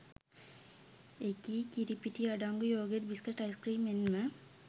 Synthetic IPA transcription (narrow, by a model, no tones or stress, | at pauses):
ekiːkiɾipiʈiɐɖaŋɡujoːɡeɾbiskɐʈːɐjskriːmenmə